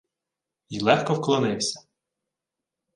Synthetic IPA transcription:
jilˠɛxkɔwklˠɔnɪwsʲɐ̥

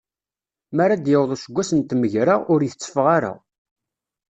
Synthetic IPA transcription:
mæɾad̪jəwðˤoʃəɡʷːæsənt̪məʝɾəʁʊɾjəθət͡sːə̥fʁaɾa̰

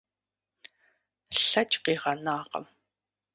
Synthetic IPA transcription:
ɬat͡ʃqeʁɑnɑːqə̰m

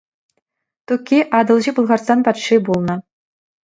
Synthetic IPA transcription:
t̪ukʲːiʔɑd̪ɤ̆lˠʑipulˠʁɑrsɑnpɑt̪ʂibulˠnɤ̆

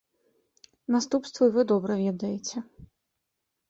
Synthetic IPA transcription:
nast̪upst̪vɐivɨd̪ɔbɾɛvʲɛd̪ɐjet͡sʲɛ

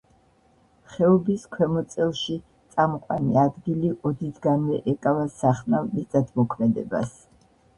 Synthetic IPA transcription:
χɛɔbiskʰwɛmɔt̪sʼɛlˠʃi | t̪sʼamɔqʼwa̰niad̪ɡiliʔɔd̪id̪ɡanvɛʔɛkʼavasaχnavmit̪ʼat̪ʰmɔkʰmɛd̪ɛba̰s

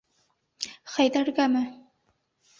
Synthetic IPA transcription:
χæjd̪æɾɡæmɘ

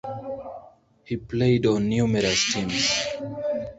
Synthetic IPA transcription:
hipleɪdɔ̃nːjumɛɾastʰĩms

